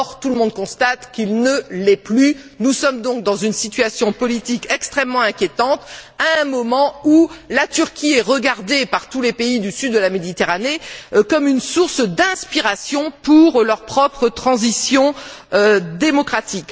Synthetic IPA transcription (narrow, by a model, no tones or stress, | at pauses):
ʁt̪uləmɔ̃d̪̚kɔ̃st̪at̪kʲilnəlɛply | nusɔmd̪ɔ̃k̚d̪ɑ̃zynsit̪ɥasjɔ̃pɔlit̪ikɛkst̪χɛmːɑ̃ɛ̃kʲjet̪ɑ̃t̪aɛ̃mɔmɑ̃ulat̪yʁkʲiɛʁəɡaʁd̪epaʁt̪ulepeid̪ysyd̪ːəlamed̪it̪eʁanekɔmynsuʁsd̪ɛ̃spiʁasjɔ̃puʁlœʁpχɔpχət̪χɑ̃zisjɔ̃ | d̪emɔkχat̪ik